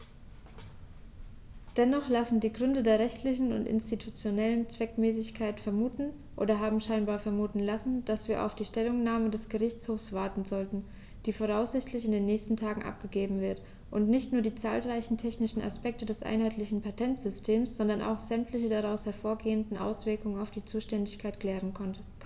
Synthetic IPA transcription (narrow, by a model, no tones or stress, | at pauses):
d̥ɛnɔχlasn̩diːɡʁʏndədeːɐʁɛçtʰlɪçn̩ʊ̰ntʔɪ̰nstitʰut͡sjonɛlənt͡sv̥ɛkmɛːsɪçkʰaɪtfɛɐmuːtn̩ | ʔo̰ːdɐɦaːbm̩ʃaɪnbaːɐfɛɐmuːtn̩lasn̩d̥asv̥iːɐʔa̰ʊfd̥iːʃtɛlʊŋnaːmədɛsɡ̥əʁɪçt͡shoːfsv̥aɐtn̩zɔltn̩ | d̥iːfoːʁ̞aʊsz̥ɪçtlɪçɪndeːnːɛːçstn̩tʰaːɡŋ̩ʔa̰p̚ɡ̥əɡeːbm̩vɪɐt | ʔʊntnɪçtnuːɐdiːt͡sa̰ːlʁaɪçn̩tʰɛçnɪʃn̩a̰spɛk̚tədɛsʔa̰ɪnhaɪtlɪçn̩pʰatʰɛntz̥ʏstʰeːmsz̥ɔndɐnʔa̰ʊxz̥ɛmtʰlɪçədaʁaʊshɛɐfoːɐɡeːəndn̩ʔa̰ʊsv̥ɪɐkʊŋənaʊfd̥iːt͡suːʃtɛndɪçkʰaɪtklɛːʁən